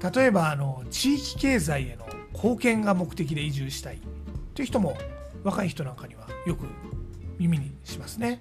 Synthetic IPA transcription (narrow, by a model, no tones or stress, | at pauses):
t̪at̪o̞e̞baːno̞t͡ɕiːkʲi̥ke̞ːzaie̞no̞kʰo̞ːkẽ̞ŋɡamo̞kɯ̟̥t̪e̞k̬ʲid̪e̞iʑɨːɕi̥t̪aḭːoi̟çi̥t̪omo̞ | βakaiçi̥t̪o̞nãŋkaɲ̟iβ̞ajo̞kɯ̟̰mʲimʲiɲ̟iɕimasɨne̞